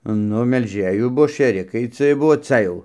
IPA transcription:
ˈnʊ mʲɛlʲˈʒʲeːjuː ˈbuɔ ʃʲeːˈrʲɪkɐɪ ˈt͡sʲiɛj ˈbʊʋoː ˈt͡sɐ jɛʊ

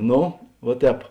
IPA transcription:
ˈnoː ʋuɔ ˈtʲɛːp

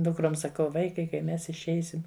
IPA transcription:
ˈdʊkroːm sɐˈkɐʊ ˈʋɐɪkɐɪ kɐɪ ˈmʲɛs ɪʃʲˈɛɪsʲɪm

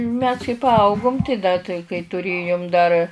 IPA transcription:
mʲɛs kɐɪ pɐˈɐʊɡʊm tɐɪ ˈdɐ tɐɪ kɐɪ tʊˈrʲeːjʊm dɐr

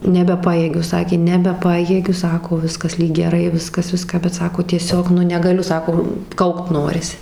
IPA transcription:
nʲɛbʲɛˈpɑːjeːɡʲʊ ˈsɑːkʲeː nʲɛbʲɛˈpɑːjeːɡʲʊ ˈsɑːkoː ˈʋʲɪskɐs ˈlʲiːk ɡʲɛˈrɐɪ ˈʋʲɪskɐs ˈʋʲɪskɑː bʲɛt ˈsɑːkoː tʲiɛˈsʲoːk ˈnʊ nʲɛɡɐˈlʲʊ ˈsɑːkoː ˈkɐʊkt ˈnoːrʲɪsʲɪ

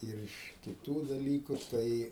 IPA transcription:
ɪr ˈɪʃ kʲɪˈtuː dɐˈlʲiːkʊ ˈtɐɪ

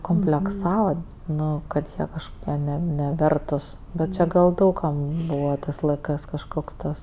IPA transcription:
koːmʲpʲlʲɛkˈsɑːʋɐ ˈnʊ kɐt ˈjiɛ kɐʃkoːˈkʲiɛ nʲɛ nʲɛˈʋʲɛrtʊs bʲɛt ˈt͡ʃʲeː ɡɐlˠ ˈdɐʊk kɐm ˈbuːʋɐ ˈtɜs lˠɐɪˈkɜs kɐʃˈkoːks ˈtɐs

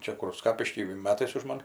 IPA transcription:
ˈt͡ʃʲɛ kʊr ˈskɑːpʲɪʃʲkʲiː ˈmʲæːtɐɪs ʊʃ ˈmɐn

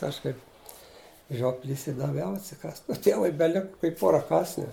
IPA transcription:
ˈɐʃ kɐɪp ˈʒʲoːpʲlʲiːs ɪ dɐˈʋʲɛʊ ɐtʲsʲɪˈkɑːst oː ˈtʲiɛʋʊɪ bʲɛˈlʲɪkɐ kɐɪ ˈpoːrɐ ˈkɑːsʲnʲuː

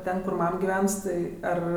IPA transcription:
ˈtʲɛn kʊr ˈmɐm ɡʲɪˈʋʲɛns tɐɪ ˈɐr

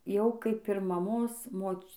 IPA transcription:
ˈjɛʊ ˈkɐɪp ɪr mɐmoːs ˈmoːt͡ʃ

